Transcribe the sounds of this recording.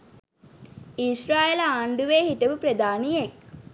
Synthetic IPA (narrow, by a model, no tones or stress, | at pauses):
isɾaːelaːɳɖuʋeːhiʈəʋupɾəd̪aːnijek̚